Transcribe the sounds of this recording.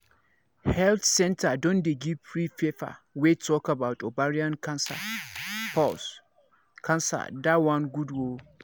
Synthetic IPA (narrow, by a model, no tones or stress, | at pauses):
hɛlθsɛ̃ntʰadɔ̃ndeɡivpʰɹifefa̰wetʰɔkabaʊtʰobaɹiãnkʰãnsa̰pʰɔs | kʰãnsa̰dawãnɡudwo